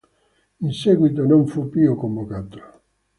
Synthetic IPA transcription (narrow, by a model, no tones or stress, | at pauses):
inseɡwit̪onõɱfupiokombokat̪o̥